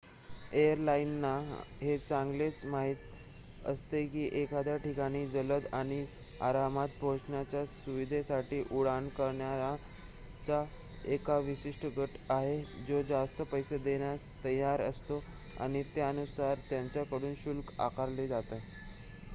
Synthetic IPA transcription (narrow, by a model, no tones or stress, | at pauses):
ejəɾlainːaɦet͡sãŋɡlet͡smaɦit̪ | ə̰st̪ekiːʔekʰad̪jaʈikaɽ̃iːd͡zələd̪aɽ̃i | a̰ɾamat̪̚bʱoʂɳjat͡ɕjasuʋid̪ʱesaʈiːʔuɽaɳkəɾɳjaa | t͡sa | ekaʋiɕiʂʈəɡʱəʈaɦed͡zod͡zast̪əpəjsed̪eɳjast̪əjaɾə̰st̪o | a̰ɽ̃it̪eənusaɾt̪jaɲt͡ɕjakəɽuːnɕulka̰kʰaɾled͡zat̪a